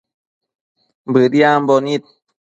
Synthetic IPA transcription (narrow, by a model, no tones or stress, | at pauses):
bɯt̪ijaːmbɔːnit̪̚